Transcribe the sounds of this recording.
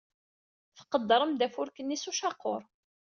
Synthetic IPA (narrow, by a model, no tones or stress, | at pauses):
fə̥qːəd̪ːɾˤəmd̪æfʊɾkənːisuʃɑqːo̰ɾˤ